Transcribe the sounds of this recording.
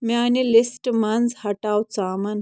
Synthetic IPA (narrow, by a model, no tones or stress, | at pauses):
mianilisʈmand͡zhɐʈawt͡saːmɐn